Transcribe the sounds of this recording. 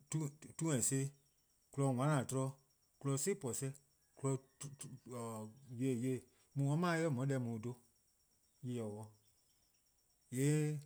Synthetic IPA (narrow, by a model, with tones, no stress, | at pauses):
tu˧tu˦ɛ̃˨se˧˦ | ku˧lɔ˧˨ŋʷã˨˦nã˨tɔ˧ɾɔ˧˦ | ku˧lɔ˧˦se˦pɔ˨sɛ˧˦ | ku˧lɔ˧˨ | je˨je˧˨ | mũ˧wɔ̃˦mãː˦e˧kɜ˦˨mɔ̃˨˦ɛ˧mũ˨do˧˦ | ji˧jɛ˨wɔ˧ | je˨˦